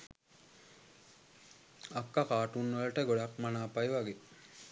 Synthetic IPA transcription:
akːakaːʈunːʋələʈəɡoɽakmanaːpajʋaɡe

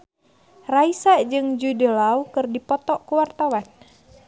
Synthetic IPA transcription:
raisaʔd͡ʒɨŋd͡ʒudəlaukɨrdipɔt̪ɔʔkuwart̪awan

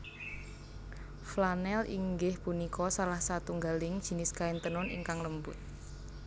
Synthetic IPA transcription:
flanɛlʔḭŋɡɪhpunikʰɔsalahsat̪uŋɡalɪŋd̥ʒ̥i̤nɪskaɪnt̪ənʊnḭŋkaŋləmbʊt̪̚

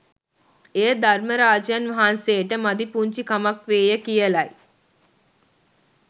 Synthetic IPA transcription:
eːd̪ʱaɾməɾaːd͡ʒjanʋaɦanseːʈəmad̪ipuɲt͡ʃikamakʋeːjəkijəlaj

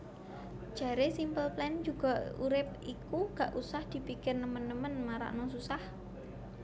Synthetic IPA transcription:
d͡ʒ̥a̤ɾesimpəlplɛnd͡ʒuɡ̥a̤ṵɾɪp̚ʔikuɡ̥aʔusahd̪̥i̤pikɪrnəmənːəmənmaɾa̰ʔnɔsusah

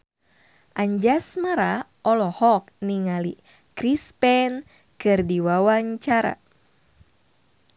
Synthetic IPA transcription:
ʔaɲd͡ʒasmaɾa | ʔɔlɔhɔk̚niŋali | kɾispɛn | kɨrdiwawaɲt͡ʃaɾa̰

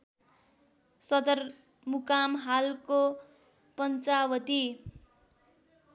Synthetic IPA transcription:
sʌd̪ʌr | mukamɦalko | pʌnt͡sawʌt̪i

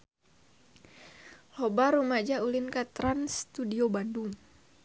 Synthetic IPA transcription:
lobaɾumad͡ʒaulinkat̪ɾanst̪udiobanduŋ

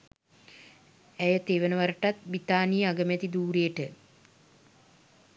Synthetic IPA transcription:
æjət̪eːʋənəʋaɾəʈat̪̚bit̪aːnijəaɡəmɛt̪id̪uːɾejəʈə

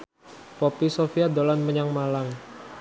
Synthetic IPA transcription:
popisofiadolanməɲaŋmalaŋ

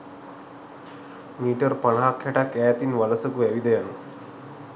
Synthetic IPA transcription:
miːʈərpaɳaɦakʰːɛʈakæːt̪inʋaləsəkuɛʋid̪əjanu

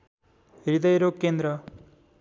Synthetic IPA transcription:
ɾid̪ɐjɾoːkːeːnd̪ɾɐ

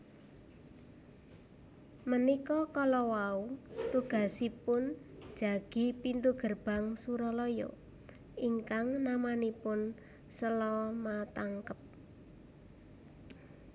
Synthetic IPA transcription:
mənikɔkɔlɔwaut̪uɡ̥a̤sipʊn̥ʒ̥a̤ɡ̥i̤pint̪uɡ̥ərb̥a̤ŋsuɾɔlɔjɔ̰ | iŋkaŋnamanipʊn | səlɔmat̪aŋkəp̚

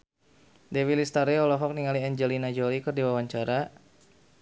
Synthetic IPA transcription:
dewilist̪aɾiɔlɔɦɔk̚niŋaliaɲd͡ʒɛlinad͡ʒolikɨrdiwawaɲt͡ʃaɾa

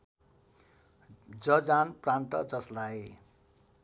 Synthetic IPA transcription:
d͡zʌd͡zanpraɳʈʌd͡zʌslaj

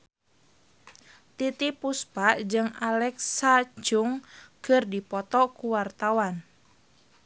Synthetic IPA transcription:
t̪it̪ipuspaʔd͡ʒɨŋalɛksat͡ʃuŋkɨrdipɔt̪ɔkuwart̪awan

